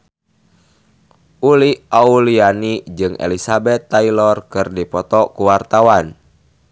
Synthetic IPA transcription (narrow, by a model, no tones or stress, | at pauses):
ʔuliaulianid͡ʒɨŋḛlisabɛt̪ːailɔrkɨrdipɔt̪ɔkuwart̪awan